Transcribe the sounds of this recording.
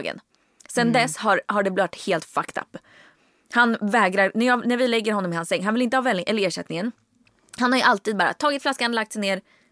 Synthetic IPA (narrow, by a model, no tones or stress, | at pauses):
ɡə̰n | sɛnd̪ɛshaɾɦaɖɛblœt̪heːlt̪fakt̪ʰa̰pː | hanvɛːɡɾaɾnæjɑːnæɾvɪlɛɡːəɾhɦɔnːɔmɪhansːɛŋːɦanvɪlɪnt̪əhɑːvɛlːɪʔɛlːəɾeːʂɛt̪nɪŋən | hanhaɾjɵʔalt̪iːd̪̚bɑːɾa̰t̪ʰɑːɡɪt̪flaskanlakt̪sɛjneːɾ